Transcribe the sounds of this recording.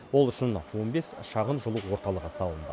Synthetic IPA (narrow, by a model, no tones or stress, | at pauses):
wo̞lˠʏʃɪnʰwonbe̞sʃɑʁənʒəlˠuwo̞ɾt̪ɑlˠəʁəsɑlˠənd̪ə̰